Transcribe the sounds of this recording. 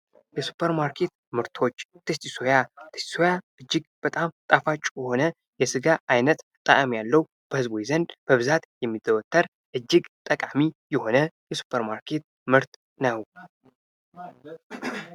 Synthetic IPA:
jɛsu̥pʰːəɾmaɾkʰe̞t̪ | mɨɾt̪ʰo̞t͡ʃːt̪ʰɨst̪isojat̪ʰɨ̥st̪i̥sojaʔɨd͡ʒːɪɡb̥ət̪ʼamt̪ʼafat͡ʃʼːjɛho̞nə | jɛsɨɡaajnət̪t̪ʼaʔʼəmjalːəw | b̥əhɨzbojizənd̪b̥əβɨzat̪jɛmːid̪əwɔt̪ʰːəɾ | ʔɨd͡ʒːɪɡt̪ʼəkʼamijɛho̞nəjɛsu̥pʰːəɾmaɾkʰe̞t̪̚ | mɨɾt̪ | nəw

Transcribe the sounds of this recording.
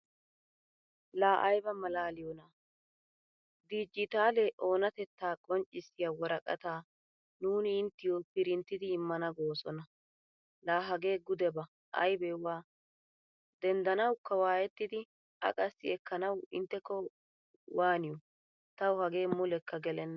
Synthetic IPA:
laːʔɐjbɐmɐlaːlɪjɔna | d̪iːd͡ʒɪt̪aːlɛʔo̞ːnɐt̪ɛt̪ːaːkʼɔnt͡ʃʼːɪsɪjawɔɾɐkʼɐ̰t̪aː | nuːnɪɪnt̪ːɪjɔpɪɾɪnt̪ːɪd̪ɪːmːɐnɐɡo̞ːsɔnɐ | laːɦɐɡe̞ːɡʊd̪ɛbɐ | ʔɐ̰jbɛwaː | d̪ɛnd̪ɐnɐwkːɐwaːjɛt̪ːɪd̪ɪ | ɐ̰kʼɐsːɪ̰ɛkːɐnɐwɪnt̪ːɛkːɔ | waːnɪjɔ | t̪ɐwhɐɡe̞ːmʊlɛkʰːɐɡɛlɛnːɐ

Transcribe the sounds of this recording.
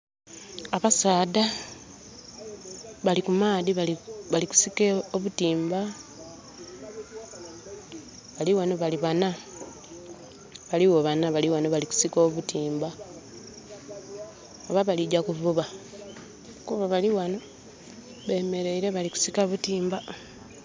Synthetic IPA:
aβasaːda | βalikumaːðiβaβaliku̥sikeoβutiːmba | βaliwano̞βaliβana | βaliwoβanaβaliwanoβaliku̥siko̞ːβutiːmba | oβaβaliɟakuvuβa | kuβaβaliwano̞ | βe̞me̞ɾe̞iɾe̞βaliku̥sikaβutiːmba

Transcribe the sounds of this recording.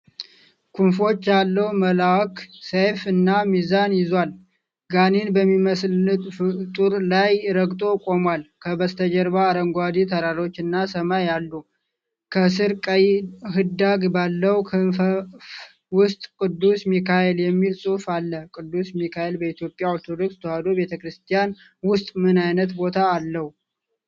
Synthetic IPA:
kʰunfo̞t͡ʃːjalːəwməlawksefɨnːamizanjɪzwal | ɡaninbəmːiməslɨt̪ft̪ʼuɾlajɾəɡt̪ʼo̞kʼo̞mwalkʰəbəst̪ʰəd͡ʒəɾβaːɾəŋɡʷad̪it̪ʰəɾaɾo̞t͡ʃːɨnːasəmajalːu | kʰəsɨɾkʼəjɦɨd̪aɡbalːəwkʰɨf | wʊst̪ʼkʼɨd̪ːusmikʰaeljɛmːilsʼufalːəkʼɨd̪ːusmikʰaelbəit̪ʰjo̞pʼːjaoɾt̪ʰod̪o̞kst̪ʰəhad̪obe̞t̪ʰəkɾɨst̪ʰijan | wʊst̪ʼmɨnajnət̪bo̞t̪ʰaːlːəhu

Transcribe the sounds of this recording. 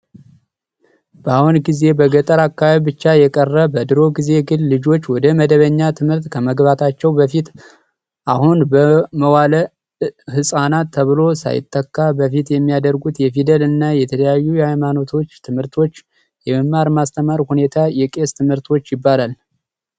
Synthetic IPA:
b̥əahunɡize̞bəɡət̪ʼəɾakːaβaβibɨt͡ʃːajɛkʼərːəbəd̪ɨɾo̞ɡize̞ɡɨlːɨd͡ʒo̞t͡ʃːwɔd̪əməd̪əβəɲːat̪ʰɨmhɨɾt̪kʰəməɡbat̪ʰat͡ʃːɛwbəfit̪ | ʔahunbəməwalə | hɨsʼanat̪ʰːəβɨlo̞sa̰jɪ̰t̪ʼːəkːabəfit̪jɛmːijad̪əɾɡut̪jɛfid̪əlɨnːajɛt̪ʰələjajːujɛhajmano̞t̪ʰo̞t͡ʃːt̪ʰɨmhɨɾt̪ʰo̞t͡ʃː | jɛməmːaɾmast̪ʰəmaɾhune̞t̪ʰajɛkʼe̞st̪ʰɨmhɨɾt̪ʰo̞t͡ʃːjɪbːalal

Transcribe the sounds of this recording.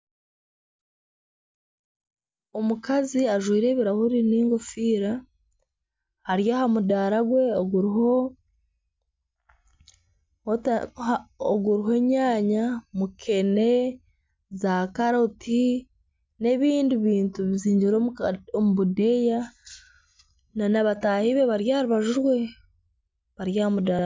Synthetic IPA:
omukaziaʒwiːɾe̞ːβiɾahuɾiniːŋɡofiːɾa | haɾjaɦamudaɾaɡwe̞oɡuɾho | oɡuɾiɦe̞ɲaːɲamukʰe̞ne̞ | zakaɾotʰi | ne̞βiːndiβiːntuβiziːɲɟiɾoomuβudeja | nanaβataːhiβe̞βaɾjahaɾiβaʒuɾwe̞ | βaɾjaːhamuda

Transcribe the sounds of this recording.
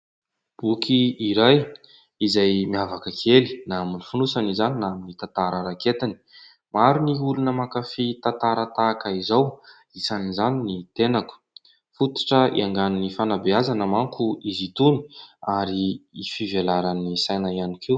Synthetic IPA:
b̥ukʰiiɾaj | izajmiavakəkʰeli̥naaminifunusanizaninaminit̪ant̪aɾəɾaket̪ani̥ | maɾiniulunəmakafit̪at̪aɾət̪akaizaw | it͡sanizaninit̪enaku̥ | fut̪i̥ʈ͡ʂəḭaŋɡanunifanabeazanəmaŋkuizit̪uni̥aɾiːfivelaɾanisajnaianikʰiw

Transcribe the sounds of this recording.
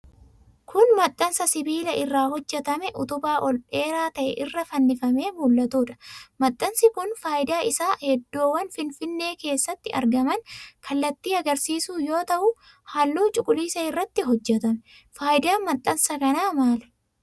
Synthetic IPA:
kʰʊnmɐt̪ʼːɐnsɐsɪbiːlɐʔɪrːaːhɔd͡ʒːɛt̪ɐmɛʔʊt̪ʊbaːʔɔlʔe̞ːɾaːt̪ɐʔɛʔɪrːɐfɐnːɪfɐme̞ːmuːlːɐt̪uːᶑɐ̥mɐt̪ʼːɐnsɪkʊnfaːjɪd̪aːɪsaːhɛd̪ːoːwɐnfɪnfɪnːe̞ːke̞ːsːɐt̪ːɪʔɐ̰ɾɡɐmɐnkʰɐlːɐt̪ːiːɐɡɐɾsiːsuːjo̞ːt̪ɐʔʊ | hɐlːuːt͡ʃʼʊkʼʊliːsɐɪrːɐt̪ːɪɦɔd͡ʒːɛt̪ɐmɛ | faːjɪd̪aːnmɐt̪ʼːɐnsɐkɐnaːmaːlɛ̥

